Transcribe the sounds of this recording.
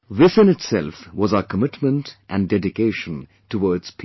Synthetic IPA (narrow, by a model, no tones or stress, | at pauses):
ðɪsɨ̃nɨtsɛlˠfwɔzaəkʰəmɪtmə̃ntʔæ̃ndɛdɪkeɪʃə̃n | tʰəwɔɹdz̥pʰi